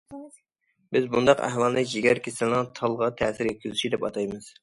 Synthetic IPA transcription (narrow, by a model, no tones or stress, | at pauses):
bɪzbund̪ɑqæ̰hwɑlˠnɨd͡ʒeɡʲæɾkʲesɪlnɨŋt̪ʰɑlˠʁɑt̪ʰɛsɪɾjɛt̪̚kʲyzyʃid̪ɛpɑ̰t̪ʰɑjmɨz̥